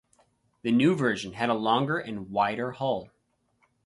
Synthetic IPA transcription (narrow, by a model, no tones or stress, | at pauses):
ðɨnʉvɜ˞ʒɨ̃nɨɾəlɔ̃ŋɡə˞ʔɨ̃nwaɪɾə˞hoʊlˠ